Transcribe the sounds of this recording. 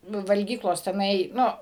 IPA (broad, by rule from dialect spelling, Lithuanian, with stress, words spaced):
ˈnʊ ʋɐlʲˈɡʲiːklˠoːs tʲɛˈnɐɪ ˈnʊ